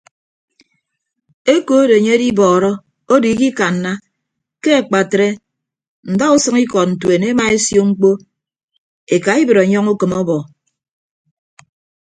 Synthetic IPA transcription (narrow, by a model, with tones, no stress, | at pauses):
e˦ko˨˦de˨ɲe˦e˦di˦bɔː˨ɾɔ˦ | o˦di˨˦ki˦ka˨n̩ː˨a˦ | ke˦a˨k͡pa˨tɾe˦ | n̩˨da˦u˦sɨ˦ŋi˦kɔ˨t̚n̩˨twe˨ne˦ma˨e˦sjo˦ŋ͡m̩˦k͡po˦ | e˨ka˨i˦bɨ˨ɾa˨˦ɲɔ˦ŋu˦kɨ˨mɔ˦bɔ˨